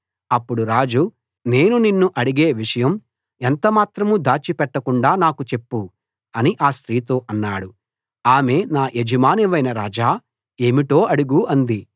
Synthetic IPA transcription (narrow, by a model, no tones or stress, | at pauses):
ɐpːuɽuɾaːd͡ʒu | ne̞ːnuninːuʔɐɽiɡe̞ːʋiʂɐjɐm | ent̪ɐmaːt̪ɾɐmud̪aːt͡ʃipɛʈːɐkuɳɖaːnaːkut͡ʃe̞pːu | ɐniʔaːst̪ɾiːt̪o̞ːʔɐnːaːɽu | aːme̞ːnaːʔed͡ʒɐmaːniʋɐjnɐɾaːd͡ʒaː | e̞ːmiʈo̞ːʔɐɽuɡuɐnd̪i